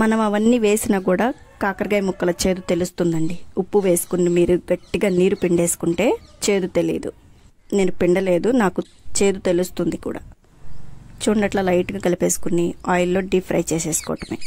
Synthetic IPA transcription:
mɐnɐmɐʋɐnːiːʋe̞ːsinaːkuːɽaː | kaːkɐɾɡɐjmukːɐlɐt͡ʃe̞ːd̪ut̪e̞lust̪und̪ɐɳɖiupːuʋe̞ːsu̥kunɖimiːɾuɡɐʈːiɡaːniːɾupiɳɖeːsu̥kuɳʈe̞ːt͡ʃe̞ːd̪ut̪e̞lḭːd̪ṵ | ne̞ːnupiɳɖɐle̞ːd̪unaːku | t͡ʃe̞ːd̪ut̪e̞lust̪und̪ikṵːɽa̰ː | t͡ʃuːɳɖɐʈlɐlɐjʈuɡaːkɐlipe̞ːsu̥kuniaːjɐlːo̞ːɖipʰɾɐjt͡ʃeːseːsu̥kɔ̰ːʈɐmḛː

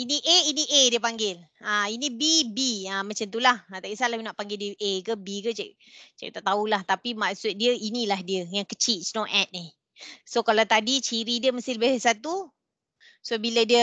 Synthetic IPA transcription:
inĩʔeinĩʔediəpaŋɡɪl | ainĩbibiamãt͡ʃamt̪̬ulahat̪akisalajunaʔpaŋɡɪldiəʔekəbikət͡ʃa̰ʔ | t͡ʃaʔ̚t̪aʔt̪aulaht̪apimaksʊt̪̚diəinilahdiəjaŋkət͡ʃit̪̚snoʔɛt̪̚ni | sokalawt̪adit͡ʃiɾidiəməst̪ɪləbɪasat̪u | suabilədiə

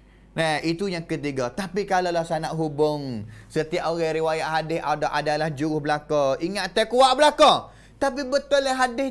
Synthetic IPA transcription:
nɛhit̪ujaŋkət̪̬iɡɔt̪apikalalahsanaʔɦubʊŋsət̪iaʔoɣaɾiwajaʔɦadɪɦadɔʔadalahd͡ʒuɾʊhbəlakɔiŋaʔt̪ɛkuaʔbəlakɔ | t̪apibət̪ʊlːaɦadɪh

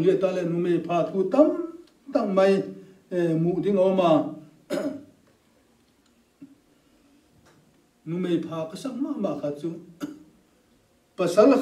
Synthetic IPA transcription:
lit̪alɛnumejpʰat̪ʰut̪am | t̪aŋmaj | muʔd̪iŋɔma | numejpʰaːkəsaŋ̚mamakʰat͡su | pəsalːə

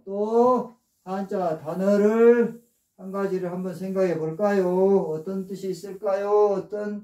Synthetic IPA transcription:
t͈o | tant͡ɕatanʌɾɯɭ | haŋɡad͡ʑiɾɯɭhambʌnsʰeŋɡaɡeboɭk͈ajoʌt͈ʌnt͈ɯɕʰiːs͈ɯɭk͈ajoʌt͈ʌn

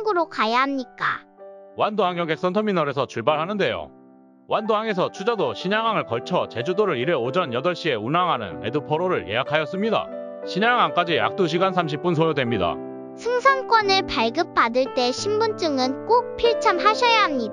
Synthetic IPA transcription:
ɡɯɾokajaɦamɲik͈awandoaŋjʌŋɡe̞ks͈ʌntʰʌminʌɾe̞sʰʌt͡ɕuɭbaɭɦanɯnde̞jo̰ | wandoɦaŋe̞s̬ʰʌt͡ɕʰud͡ʑadoɕʰiɲaŋɦaŋɯɭkʌɭt͡ɕʰʌt͡ɕe̞d͡ʑudoɾɯɾiɾeod͡ʑʌnjʌdʌɭɕ͈ie̞unaŋɦanɯ̰ne̞dupʰʌɾoɾɯɭjejakʰajʌs͈ɯmɲida̰ | ɕʰiɲaŋaŋk͈ad͡ʑia̰k̚t͈uɕ̬ʰiɡansʰamɕ̬ʰip͈̚uns̬ʰojodwe̞mɲida̰ | sʰɯŋsʰaŋk͈wʌnɯɭpaɭɡɯp̚p͈adɯɭt͈e̞ɕʰimbunt͡ɕ͈ɯŋɯnk͈ok̚pʰiɭt͡ɕʰamɦaɕʰʌjaɦamɲida

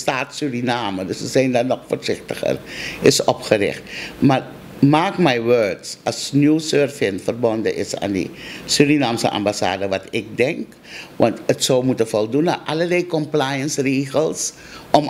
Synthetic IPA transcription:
staːtsyrinaːmədøsʋəzɛjndanɔxfoːrzɪxtəχə̰rɪsɔpχərɪ̰χtmar | maːkmɛjʋøːɹtsɑlsnuwsøːrfɪnfərbɔndə̰ʔɪsa̰ːndḭsyrinaːmsə̰ʔa̰mbasa̰ːdəʋatɪk̚dɛŋk | ʋɑntətsowmutəfɔlˠduna̰ʔaləlɛjkɔmplajənsreːxəlˠs | ʔɔm

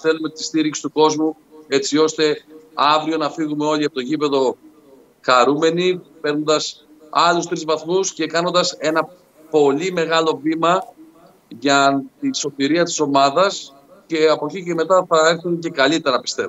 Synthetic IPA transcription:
θe̞lume̞t̪i̥st̪iɾiksi̥t̪uko̞zmu | e̞t͡sio̞st̪e̞ɐvɾio̞nɐfiɣume̞o̞liɐpot̪o̞ʝipe̞ðo̞ | xɐɾume̞nipe̞ɾno̞nd̪ɐs | ɐlust̪ɾizvɐθmusce̞kɐno̞nd̪ɐse̞nɐ | po̞lime̞ɣɐlo̞vimɐ | ʝɐt̪iso̞t̪iɾiɐt̪i̥so̞mɐðɐs | ce̞ɐpo̞cice̞me̞t̪ɐθɐeɾθunce̞kɐlit̪eɾɐpi̥st̪e̞v

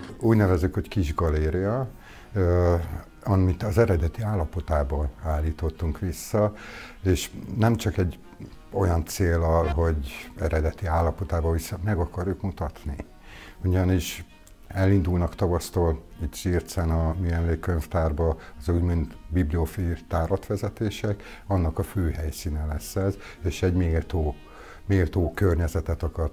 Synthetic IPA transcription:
uːɟnɛvɛzːykho̞ckiʒɡɒleːɾijɒ | ɒmit̪ɒzɛɾɛd̪ɛt̪iaːlːɒpo̞t̪aːbɒaːlːiːt̪o̞t̪ːuŋkʋisːɒeːʃnɛmt͡ʃɒkɛɟː | o̞jɒnt̪seːlːɒlɦo̞ɟɛ̰ɾɛd̪ɛt̪iaːlːɒpo̞t̪aːbɒvisːɒmɛɡɒkɒrjukmut̪ɒt̪ni | uɟɒniʃ | ɛlːind̪ulnɒkt̪ɒvɒst̪oːlit̪ʃiːrt̪sɛnɒmiɛmleːkːøɲft̪aːrbɒɒzuɟmint̪bibliofit̪aːɾɒt̪ʋɛzɛt̪eːʃɛk | ɒnːɒkɒføːɦɛjsiːnɛlɛsːɛz | eːʃɛɟmeːlt̪oː | meːlt̪oːkørɲɛzɛt̪ɛt̪ɒkɒr

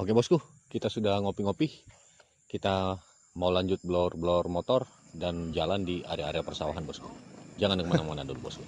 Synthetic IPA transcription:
okebɔsku | kit̪asudahŋopiŋopih | kit̪a | maulaɲd͡ʒʊt̪̚blɔrbəlɔrmot̪ɔrdand͡ʒalandia̰ɾeaːɾeapərsawa̰ɦanbɔskud͡ʒaŋankəmanamana̰dulubɔsku

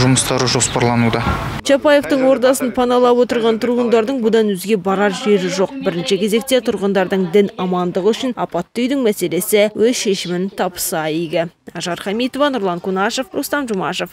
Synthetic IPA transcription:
ʒʊməst̪ɑɾəʒo̞spɑɾlˠɑnud̪ɑt͡ʃʰɑpɑje̞ft̪əɴwo̞ɾd̪ɑsənpʰɑnɑlˠɑpwo̞t̪əɾʁɑnt̪ʰʊɾʁənd̪ɑɾd̪əɴbʊd̪ɑnwɵzɡʲe̞bɑɾɑɾʒe̞ɾɪʒo̞q̚bɪɾɪnʃɪkʲʰe̞ze̞k̚t̪e̞t̪ʰʊɾʁənd̪ɑɾd̪əɴd̪ɪnɑmɑnd̪əʁəʏʃɪnɑpɑt̪ːʏjd̪ɪŋmæse̞le̞sɪwɵzʃe̞ʃɪmɪnt̪ʰɑpə̥sɑiɡʲɪɑʒɑɾχɑmijt̪o̞vɑnʊɾlˠɑŋkʰunɑʃe̞frʊ̰st̪ɑnʒʊmɑʃef

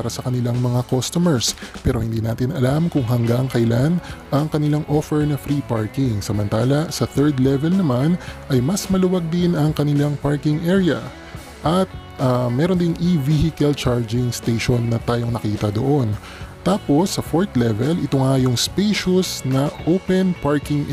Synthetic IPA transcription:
aɾɐsɐkɐnɪlaŋmɐŋakost̪omɛɹspɛːɾo̞hɪnd̪iːnaːt̪ɪnɐlamkʊŋɦɐŋɡaŋkɐʔjlanʔɐŋkɐnɪlaŋʔofɛɹnɐfɾiːpaɹkɪŋsɐmɐnt̪aːlɐsɐθɛɹd̪lɛvɛlnɐmanʔɐjmɐsmɐlʊwaɡ̚d̪ɪnɐŋkɐnɪlaŋpaɹkɪŋʔɛɹjɐ̰ | ʔɐt̪̚ | amɛːɾond̪ɪŋʔivihɪkɐlt͡ʃaɹd͡ʒɪŋst̪eʃonːɐt̪aːjo̞ŋnɐkiːt̪ɐd̪oʔo̞n | t̪aːpo̞sːɐfoɹt̪lɛvɛlɪt̪oŋajʊŋspeʃʊsnɐʔowpɛnpaɹkɪŋ

